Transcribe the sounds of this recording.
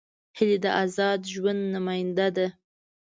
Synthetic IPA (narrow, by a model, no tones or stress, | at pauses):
hɪled̪əʔazɑd̪ʒwand̪namɑjɪnd̪ad̪a